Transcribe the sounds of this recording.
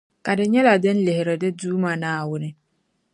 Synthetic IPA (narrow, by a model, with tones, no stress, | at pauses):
ka˨dɪ˨ɲɛ˦la˨dɪ̃˦n̩˦lɪ˨hɪ˨ɾɪ˨dɪ˦duː˦mã˨nã˨a˨wʊ˦nɪ̃˦